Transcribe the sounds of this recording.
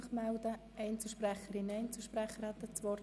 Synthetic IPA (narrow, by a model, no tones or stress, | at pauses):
χmæld̪ə | ɛɪnt͡səʃprɛχəɾɪnɛɪnt͡səʃpɾɛχəɾhat̪ːət͡sʋɔɾ